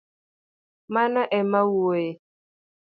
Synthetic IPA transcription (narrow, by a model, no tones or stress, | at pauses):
manaʔɛmawoe